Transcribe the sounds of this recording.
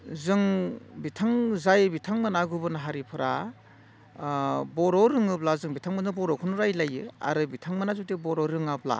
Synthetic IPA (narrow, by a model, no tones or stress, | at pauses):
zɯŋbitʰaŋzajbitʰaŋmanaɡubɯnaɦaɾipʰɯɾa | bɔɾɔɾɯŋɯplazɯŋbitʰaŋmanzɯbɔɾɔkʰɯnuɾajlajɯa̰ɾɯbitʰaŋmanazutebɔɾɔɾɯŋap̚la̰